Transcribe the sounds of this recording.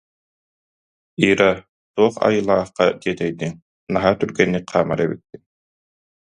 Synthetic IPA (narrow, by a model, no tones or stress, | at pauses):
iːɾa | suɔχa̰jɯlˠaːχqak̪iɛt̪ɛjd̪iŋ | naɦat̪yɾɡɛnːiqʰaːma̰ɾɛbḭt̪̚ːi